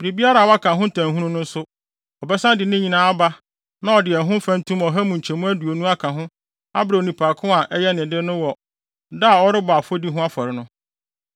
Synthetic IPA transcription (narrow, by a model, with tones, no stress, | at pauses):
bɾi˨bi˦a˦ɾa˨wa˦kʰã˨ɦʊ̃˦n̩˦tʰã˨ɦũ˦nʊ̃˦nʊ̃˦n̩˦sʊ˦ | ɔ˨bɛ˦sã˦dɪ˨nɪ̃˦ɲĩ˨nãː˦a˦ba˦ | nã˦ɔ˨dɪ˨ɛ˨ɦʊ̃˦fæ̃˦n˦tũ˦mɔ˨ɦæ˦mũ˨ɲ̩˨t͡ɕʰɛ˨mũ˦æ˦du˨o˨nũ˦a˦kʰã˨ɦʊ̃˦ | a̰˦bɾa˨o˨nĩ˨pʰaː˨kʰʊ̃˦a˨ʔɛ˦jɛ˦nɪ̃˨dɪ˦nʊ̃˦wɔ˨ | da˦˨ɔ˦ɾɪ˦ba˨fo˦di˦ɦʊ̃˦a˦fɔ˨ɾɪ˨nʊ̃˦